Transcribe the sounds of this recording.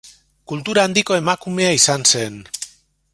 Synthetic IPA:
kult̪uɾaːnd̪iko̞e̞makume̞aisanse̞n

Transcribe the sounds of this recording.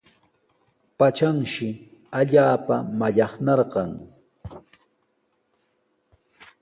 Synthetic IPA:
pat͡ʃaŋʃɪaʎaːpamaʎɑχnɑɾɢɑŋ

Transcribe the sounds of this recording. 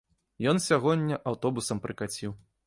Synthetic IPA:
jɔnsʲaɣɔnʲːɐʔawt̪ɔbusɐmpɾʔɨkat͡sʲiw

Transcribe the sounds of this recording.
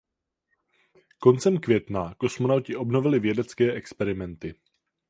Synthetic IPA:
ko̞nt͡sɛmkvjɛt̪nako̞smonawcɪʔo̞bno̞vɪlɪvjɛdɛt͡skɛːʔɛkspɛɾɪmɛnt̪ɪ

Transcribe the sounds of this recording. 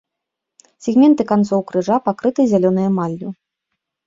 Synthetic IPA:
sʲɛɣmʲɛnt̪ɨkant̪sɔwkɾɨʐapakɾɨt̪ɨzʲalʲɔnɨjɐmalʲːu

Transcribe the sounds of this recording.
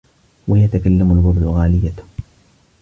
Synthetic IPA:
wahɪjat̪akalːamalwabd̪ʊɣaːlɪjːa

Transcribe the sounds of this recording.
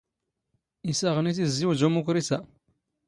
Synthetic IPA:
isaʁəniθiziwd͡ʒumukʷɾisæ

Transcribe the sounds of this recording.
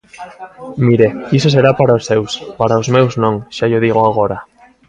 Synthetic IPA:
miɾeisos̬eɾapaɾaosewspaɾaozmewznõŋʃaʎoðiɣoaɣoɾa

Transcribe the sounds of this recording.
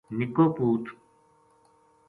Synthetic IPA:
nikopuːt̪ʰ

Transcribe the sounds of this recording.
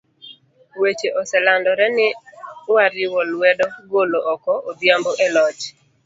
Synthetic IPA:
wet͡ʃeʔɔsɛlandɔɾɛnɪwaɾɪwɔlwɛdɔɡoloʔɔkɔʔobjamboʔelɔt͡ʃ

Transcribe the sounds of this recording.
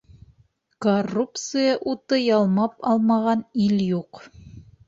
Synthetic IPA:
korːup̚t̪sɨjɑʔut̪ɤjɑlˠmɑpɑlˠmɑʁɑniljuq

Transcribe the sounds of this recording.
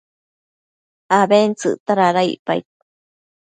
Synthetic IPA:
aβent͡sɨ̰ʔt̪aɾaɾaḭʔpajt̪̚

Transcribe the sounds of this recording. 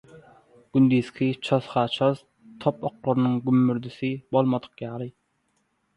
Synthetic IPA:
ɡ̥ynd̪iskʰit͡ʃʰɑðχɑːt͡ʃʰɑz | t̪ʰopoqlˠoɾnɯŋɡymːyɾd̪yθibolˠmɑd̪ɯ̥qjɑːɾɯ

